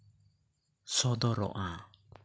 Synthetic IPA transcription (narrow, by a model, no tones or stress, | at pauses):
sɔd̪ɔɾɔ̰ʔã